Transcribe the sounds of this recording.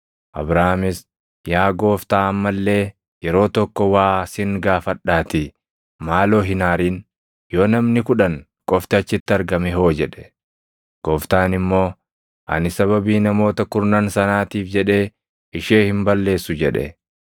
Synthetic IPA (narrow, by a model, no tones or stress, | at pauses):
ʔɐ̰bɾaːmɪs | jaːɡo̞ːft̪aːɐmːɐlːe̞ː | jɛɾo̞ːt̪ɔkːɔwaːsɪŋɡaːfɐᶑaːt̪ɪ | maːlo̞ːɦɪnaːɾiːn | joːnɐmnɪkʊᶑɐn | kʼɔft̪ɐt͡ʃːɪt̪ːɪɐɾɡɐmɛɦo̞ːd͡ʒɛᶑɛ̥ | ɡ̥oːft̪aːnɪmːo̞ː | ʔɐ̰nɪsɐβɐbiːnɐmo̞ːt̪ɐkʊɾnaːnsɐnaːt̪iːfd͡ʒɛᶑe̞ː | ɪʃeːhɪmbɐlːe̞ːsːʊd͡ʒɛᶑɛ̰